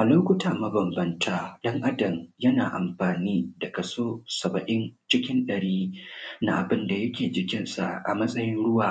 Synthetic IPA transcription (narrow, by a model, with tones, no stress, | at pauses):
ʔa˨loː˦kʷʊ˦taː˨mɐ˦bɐ˨mbɐ˦ntʰaː˦ɗɐ˦ŋʔa˦dɐ˨mjɐ˦naː˨ʔa̰˨mɸaː˨niː˦dɐ˨kɐ˨soː˦sɐ˨bɐ˨ʔɪ˦nt͡ʃɪ˦kʲɪ˦nɗɐ˨ɽiː˦na̰˦ʔa̰˨bɪ˦nda˨jɐ˦kʲeː˨d͡ʒɪ˨kʲɪ˦nsa̰˨ʔʔa̰˨mɐ˦sʼɐ˦jɪ˦nɽʊ˦waː˨